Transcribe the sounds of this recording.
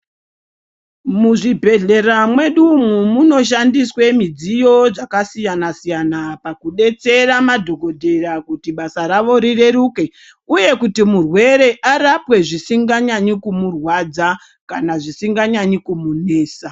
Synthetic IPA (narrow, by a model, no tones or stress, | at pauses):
muʐibʱe̞ɮe̞ramwe̞ɗumumuno̞ʃ̬andiswe̞mid͡zijo̞ʐakasijanasijanapakuɗe̞t͡se̞ɾamadʱo̞ɡʱo̞dʱe̞ɾakutiɓasaɾaʋo̞ɾire̞ɾuke̞ | uje̞kutimurwe̞ɾe̞ʔaɾapwe̞ʐisiŋɡaɲaɲikumurwad͡za | kanaʐisiŋɡaɲaɲikumune̞ːsa